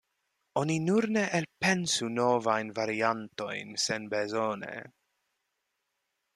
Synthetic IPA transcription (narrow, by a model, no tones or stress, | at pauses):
o̞ninuɾneʔelpensuno̞vajnvaɾianto̞̰jnsenbezonḛ